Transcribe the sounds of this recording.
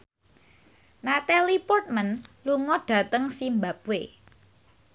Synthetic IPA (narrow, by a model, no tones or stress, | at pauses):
nat̪alipɔrt̪̚mənluŋɔɖ̥ä̤t̪əŋsimbap̚we